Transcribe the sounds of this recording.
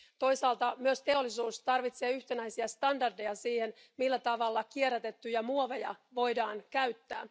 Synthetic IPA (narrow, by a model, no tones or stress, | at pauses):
t̪o̞jsɑːlt̪ɑmyøst̪e̞olːisuːst̪ɑrʋit̪se̞ːyht̪enæjsiæst̪ɑndɑrde̞jɑsiːhen | milːæt̪ɑʋɑlːɑkieɾæt̪e̞t̪ːyjɑmuoʋejɑ̰ʋo̞jdɑːnkæyt̪ːæ̰ː